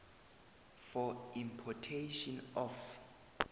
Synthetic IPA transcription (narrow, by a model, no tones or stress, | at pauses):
fɔĩmpʰɔtʰeʃɔnɔf